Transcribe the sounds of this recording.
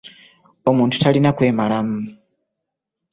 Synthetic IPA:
o̞muːntʰu̥talinakwe̞ːmalamu

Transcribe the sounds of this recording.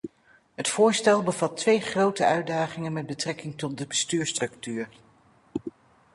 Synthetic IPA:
ɦətfʊːɹstɛlˠbəvɑtʋejχrowtəʔœɥdaːχɪŋənmɛd̚bətrɛkɪŋtɔt̚dəbəstyːɹstrɵktyːɹ

